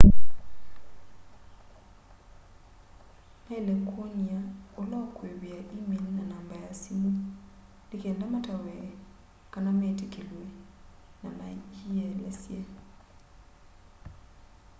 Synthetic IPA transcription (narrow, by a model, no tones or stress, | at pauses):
nalekʰoɲiaolakwewiaʔimilnanambajasimu | lɪkɛndamatawɛ | kanametekʰelwe | namad͡ʒiɛlɛsja